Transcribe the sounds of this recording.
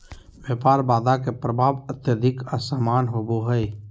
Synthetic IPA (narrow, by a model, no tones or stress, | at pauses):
ʋjəːpaːɾbaːd̪akepɾəbʱaːʋət̪jəd̪ʱɪkəsaːmaːnɦoːboɦəe